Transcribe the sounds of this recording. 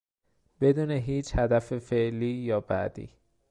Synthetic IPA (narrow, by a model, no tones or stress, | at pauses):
b̥e̞d̪uːneɦiːt͡ʃhæd̪æfefeʔliːjɒːbæ̰d̪̥ḭː